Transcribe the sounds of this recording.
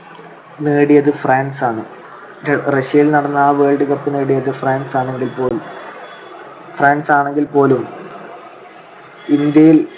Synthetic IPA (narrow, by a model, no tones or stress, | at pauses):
neːɽijɐðɨfraːnsaːɳɨ | reɕijɐjilnɐɽɐnːɐaːʋeːɭɖɨɣɐrpːɨneːɽijɐðɨfraːnsaːɳeŋɡilpo̞ːlum | fraːnsaːɳe̞ŋɡilpo̞ːlum | ind̪jɐjil